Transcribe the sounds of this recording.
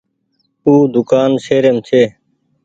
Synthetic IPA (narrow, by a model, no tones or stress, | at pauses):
uːd̪ʊkaːnseːɾeːmt͡ʃʰeː